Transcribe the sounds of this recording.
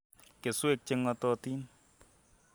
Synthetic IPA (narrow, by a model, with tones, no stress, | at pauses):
ke˨swe˦˨k̚t͡ʃɪ˧ŋɔ˧tɔ˧ti˦n